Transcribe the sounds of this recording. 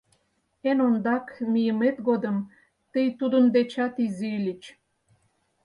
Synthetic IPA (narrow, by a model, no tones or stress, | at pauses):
enond̪ɑkmijəmet̪ɡod̪əm | t̪əjt̪ud̪ənd̪et͡ɕɑt̪izilʲit͡ɕ